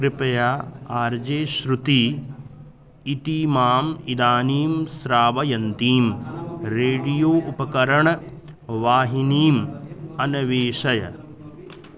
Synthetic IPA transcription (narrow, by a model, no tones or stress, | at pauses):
kɾɪpɐjaːaːɾd͡ʒeːʃɾut̪i | t̪iːmaːmid̪aːniːmsɾaːʋɐjɐnt̪iːmɾeːɖijoːʔupɐkɐɾɐɳ | ʋaːɦiniːmɐnɐʋeːʃɐjɐ̰